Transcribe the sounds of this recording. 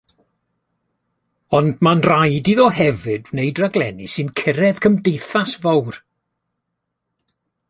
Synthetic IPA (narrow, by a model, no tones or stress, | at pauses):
ɔndmanrajdiðɔɦɛvɨdnejdraɡlˠɛnḭsɨnkʰəɾɛð̥kʰəmdejθasvɔwr